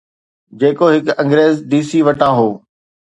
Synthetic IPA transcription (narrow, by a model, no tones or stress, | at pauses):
d͡ʑeːkoɦɪkɐ̃ŋɡɾeːzɖ̪iːsiːʋɐʈãːɦoː